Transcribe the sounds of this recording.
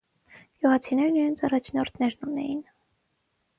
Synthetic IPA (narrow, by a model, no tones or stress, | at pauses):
juʁɑt͡sʰinɛɾniɾɛnt͡sʰɑrɑt͡ʃʰnɔɾt̪ʰnɛɾnunɛ̰jin